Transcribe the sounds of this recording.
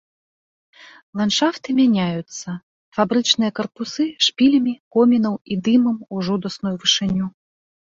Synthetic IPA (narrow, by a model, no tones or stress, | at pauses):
lˠanʂaft̪ɨmʲanʲajut̪sːɐ | fabɾɨt͡ʂnɨjɐkɐrpusɨʂpʲilʲɐmʲikɔmʲinɐwid̪ɨmɐmuʐud̪ɐsnujuvɨʂɨnʲu